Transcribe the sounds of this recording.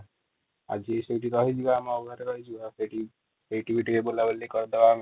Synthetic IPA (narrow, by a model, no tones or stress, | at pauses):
a̰d͡ʒiseʈiɾɔɦid͡ʒibamɔɡʱaɾeɾɔɦid͡ʒibasejʈi | ejʈibʱiʈiɾebolabelikɔɾd̪ebam